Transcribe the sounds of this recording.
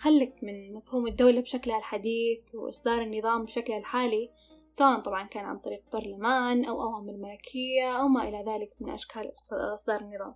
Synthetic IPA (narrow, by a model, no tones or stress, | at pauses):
xalːɪkmɪnmafhuːmɪd̪ːawlabʃaklhalħad̪iːθwʔɪ̰sˤd̪ɑːɾˤɪnːɨðˤɑːmbʃaklhalħaːli | swaːʔnt̪ˤɑbʕɑnkaːnʕa̰nt̪ˤɑɾiːq̚b̥ɑɾˤlamaːnʔa̰wʔawaːmɪlmalakʰɪjːaʔawmaʔɪlaðaːlɪkmɪnʔa̰ʃkʰaːlʔɑsˤd̪ɑːɾˤɪnːɨðˤɑ̰ːm